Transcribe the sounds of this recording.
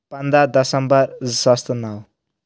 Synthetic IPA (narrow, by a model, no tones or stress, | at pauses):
pand̪ad̪ʌsʌmbʌrzʌst̪naw